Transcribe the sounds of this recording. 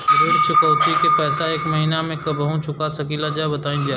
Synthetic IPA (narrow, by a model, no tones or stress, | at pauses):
ɾuːɽt͡ʃʰʊkəwt̪ikepɛːsaeːkmɐɦiːnamẽkɐbɦũt͡ʃʊkasɐkiːlad͡ʒaːbɐt̪aːĩd͡ʒaː